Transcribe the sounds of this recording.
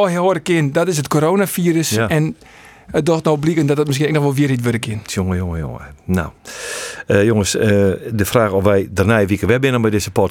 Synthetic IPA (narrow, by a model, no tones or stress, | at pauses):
ɔhɦoːɾəkɪndɔtɪs̬ətkʰoɾoːnafiːrəsɛn | ət̚doxtnoːblikəndɔtdət̚mɪskinɛknɔxʋolˠʋiərhitʋøɾəkʰɪnsjoŋəjoŋəjo̰ŋə̰na̰w | joŋəsədəfraːxɔfʋɛjdərnajʋikəʋɛbɪnənbɛjdɪsəpɔt